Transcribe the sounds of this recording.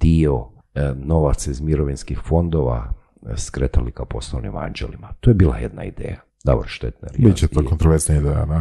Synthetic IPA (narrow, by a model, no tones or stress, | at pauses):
d̪̥io | noʋat̪sizmiɾoʋinskixfo̞nd̪oʋa̰ | skɾet̪alikapo̞slˠoʋnḭma̰nd͡ʒḛlimat̪ojebiːlˠajed̪na̰ḭd̪ḛːja | d̪a̰boɾʃt̪et̪na̰ɾjbit͡ɕet̪okont̪ɾoʋeɾznaid̪eja̰d̪a